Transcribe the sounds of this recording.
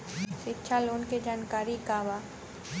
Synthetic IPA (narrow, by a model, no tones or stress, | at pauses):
ʃɪtːʃʰaloːnked͡ʒaːnkaːɾikaːba